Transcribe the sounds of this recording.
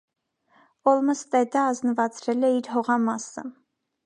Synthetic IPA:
ɔlməst̪ɛd̪əːznəvɑt͡sʰɾɛlɛiɾɦɔʁɑmɑsə̰

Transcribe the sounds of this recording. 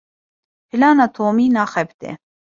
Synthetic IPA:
pʰilanat̪ʰɔːminaχɛpd̪ɛ̰

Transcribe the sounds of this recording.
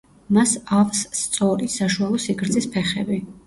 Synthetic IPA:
masavsːt̪sʼɔɾisaʃualˠɔsiɡɾt̪sʼispʰɛχɛbi

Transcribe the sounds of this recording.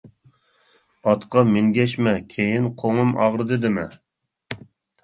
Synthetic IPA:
ɑt̪qɑmɪŋɡʲɛʃmɛkʲʰejinqʰoŋɨmɑ̰ʁɾɨd̪ɨd̪ɨmɛ

